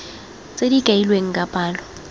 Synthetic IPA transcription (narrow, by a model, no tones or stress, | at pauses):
t͡sʼedikʼailweŋ̩kʼapʼaːlɔ